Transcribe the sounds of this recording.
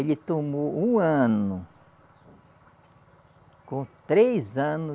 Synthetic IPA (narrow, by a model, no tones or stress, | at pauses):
elɪt̪omoũɐ̃nʊ | kõt̪ɾezɐ̃nʊ